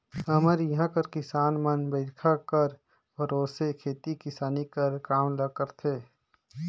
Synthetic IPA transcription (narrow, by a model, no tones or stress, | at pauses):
əməɾjɐɦãkəɾkɪsaːnmənbəɪɾkʰakəɾ | bʱɐɾoːsekʰeːt̪ikɪsaːnikəɾkaːmləɡkəɾt̪ʰeː